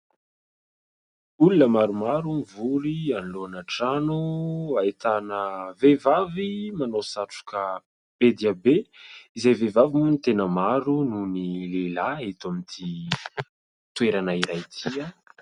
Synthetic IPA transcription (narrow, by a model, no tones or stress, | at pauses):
ulunəmaɾumaɾumivuɾianiloanaʈ͡ʂanuaet̪anəvevavimanowsaʈ͡ʂu̥kə | b̥ed̪iabeizejvevavimunit̪enəmaɾununilelaet̪amint̪ʰi | t̪ueɾanaiɾajt̪ʰia